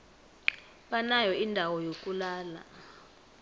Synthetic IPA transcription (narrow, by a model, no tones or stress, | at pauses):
ɓanajɔindʱawɔjokʼulaːla̰